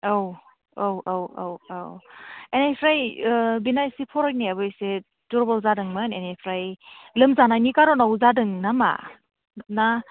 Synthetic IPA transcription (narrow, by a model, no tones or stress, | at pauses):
ow | owowo̰wa̰wenejpʰɾajbinajsipʰɔɾɔkniabɯjse | tuɾbɔlzadɯŋmanenejpʰɾajlɯmzanajnikaɾɔnawzadɯŋnama̰ | na